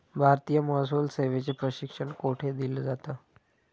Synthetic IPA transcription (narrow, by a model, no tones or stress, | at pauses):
bʱaɾt̪iːjəməːs̬uːlseʋet͡sepɾəɕikʂəɳkoʈʰed̪ild͡zat̪a